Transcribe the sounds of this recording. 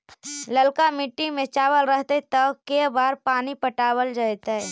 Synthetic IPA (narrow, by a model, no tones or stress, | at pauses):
ləlkamɪʈːimẽt͡ʃaːwəlɾəɦt̪et̪əkːebaːɾpaːnipəʈaːwəld͡ʒaːjt̪aɦɛ